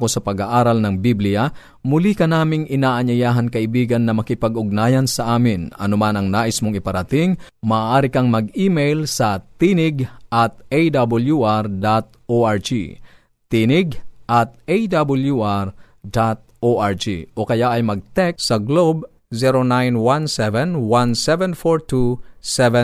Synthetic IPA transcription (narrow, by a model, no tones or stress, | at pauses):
kosɐpɐɡaʔaːɾɐlnɐŋbiblɪja | mʊlikɐnaːmɪŋʔɪnaːʔɐɲɐjaːɦɐnkɐʔɪbiːɡɐnːɐmɐkɪpɐɡʊɡ̚naːjɐnsɐʔaːmɪnɐ̰nomanɐŋnaːʔismoŋɪpɐɾɐt̪ɪŋmɐʔːʔaːɾɪkɐŋmɐɡiːmɛjlsɐt̪inɪɡʔɐt̪̚ejd̪abɐljuʔaɾd̪at̪̚oʔaɹd͡ʒḭ | t̪inɪɡʔɐt̪̚ejd̪abʊljuʔaɹ | d̪at̪̚ʔoʔaɹd͡ʒḭʔo̞kɐjaʔɐjmɐɡ̚t̪ɛk̚sɐɡlob̚ | zɛɾonajnwansɛvɛnwansɛvɛnfoɹt̪usɛvɛ